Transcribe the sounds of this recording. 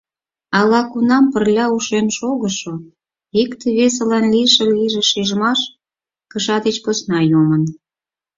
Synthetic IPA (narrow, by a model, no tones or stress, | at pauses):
ɑlɑkunɑmpərlʲɑuʃenʃoɣəʃo | ikt̪eβes̬elɑnlijʃeliʒeʃiʒəmɑʃ | kəʃɑd̪et͡ɕposnɑjomən